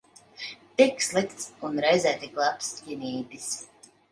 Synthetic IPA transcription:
t̪ikslˠikt̪sunɾajzæːt̪ʲiɡlˠapsjʲinʲiːd̪ʲis

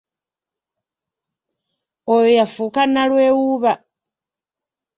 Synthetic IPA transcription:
ojojafukanalwe̞ːwuːβa

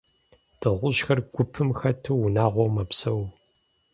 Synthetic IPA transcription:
d̥ʰɨʁʷʊʒxɐrɡʷʊpʰɨmxɐtʰɨwʊnaːʁʷɔwmɐpsɐw

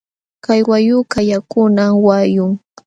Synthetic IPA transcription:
kajwajʊkajakʊnawajʊŋ

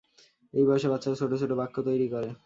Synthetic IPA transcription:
ejbɔeʃeɾbatːɕʰaɾsʰoʈoʃʰoʈobakʰːot̪ojɾikoɾe

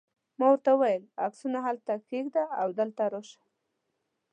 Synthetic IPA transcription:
mawəɾt̪awajəlaksunaɦalt̪akeɡd̪aawd̪əlt̪aɾoʃḁ

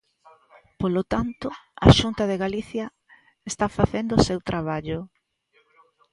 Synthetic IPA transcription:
polot̪ant̪ʊa̰ʃunt̪ɐðeɣaliθjɐ | est̪afaθend̪ʊsewt̪ɾʔaβ̞aʎʊ

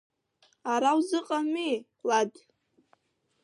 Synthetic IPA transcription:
aɾawzɨqʼami | lad

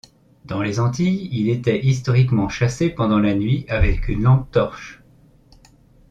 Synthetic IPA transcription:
d̪ɑ̃lezɑ̃t̪ijilet̪ɛʔist̪ɔʁikmɑ̃ʃasepɑ̃d̪ɑ̃lanɥiavɛkynlɑ̃ɡ̚t̪ɔʁʃ

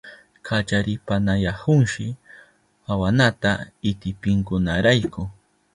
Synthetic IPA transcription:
kʰat͡ʃaɾɪpanajahʊŋʃɪ | awanat̪aɪt̪ɪpɪŋkʊnaɾajkʊ

